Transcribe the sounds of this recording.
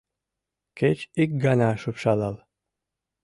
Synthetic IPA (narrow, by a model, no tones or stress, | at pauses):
ket͡ɕik̚ɡanaʃupʃɑlɑlˠ